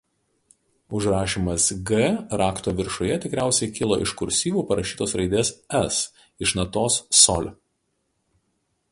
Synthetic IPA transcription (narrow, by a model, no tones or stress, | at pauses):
ʊʒɾɑːʃʲiːmɐsɡɛɾɑːkt̪oːʋʲɪɾʃʊjɛt̪ʲɪkɾʲæˑʊsʲɛɪkʲɪlˠo̰ːʔɪ̰ʃkʊɾʲsʲiːʋʲuːpɐɾɐʃʲiːt̪oːsɾɐɪd̪ʲeːsɛs | ɪʃnɐt̪oːsːɔlʲ